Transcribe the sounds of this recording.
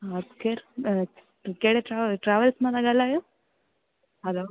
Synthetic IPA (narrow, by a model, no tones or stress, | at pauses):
ɐskeɾ | keɽeʈɾaʈɾaːʋəlsmãt̪aɡalajo | ɦɐlo